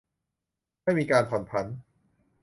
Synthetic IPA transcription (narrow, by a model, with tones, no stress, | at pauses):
a˥˩jmiː˧kaː˧npʰɔ˩˦npʰa˦˥n